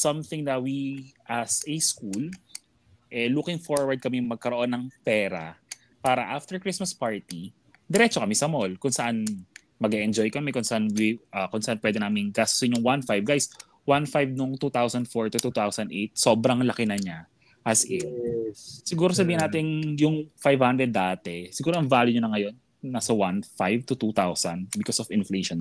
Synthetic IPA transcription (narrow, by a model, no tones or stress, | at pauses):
sɐ̃mθɪŋd̪ɐwiʔasɛskul | ʔɛlukɪŋfoɹwɐɹd̪̚kɐmɛjŋmɐɡ̚kɐɾoʔo̞nːɐŋpɛːɾɐ̰ | paːɾɐʔaft̪ɛɹkɹismɐspaɹt̪i | d̪ɛɾɛt͡ʃokɐmɛsɐmolkʊnsɐʔan | mɐɡɛʔɛnd͡ʒojkɐmɛkʊnsɐʔanwɪʔɐkʊnsɐʔanpwɛd̪ɛnaːmɪŋɡaːst̪o̥sɪɲʊŋwanfajvɡajs | wanfajvnʊŋt̪ut̪awsɐnd̪foɹt̪ʊt̪ut̪awsɐnd̪ʔejt̪̚so̞ːbɾɐŋlɐkɪnɐɲa | ʔɐsɪ | sɪɡuːɾos̬ɐbiːhɪnaːt̪ɪnjʊŋfajvhand̪ɾɛd̪̚ːaːt̪ɛsɪɡuːɾoɐŋvaːljʊɲʊnɐŋɐjo̞nː | asɐwanfajvt̪ʊt̪ut̪awsɐnd̪bɪkosɔvɪnflejʃon